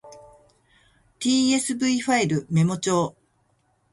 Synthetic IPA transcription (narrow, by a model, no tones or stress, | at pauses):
t̪ʲiːe̞sɨbɯ̟iɸaiɾɯ̟me̞mo̞t͡ɕo̞ː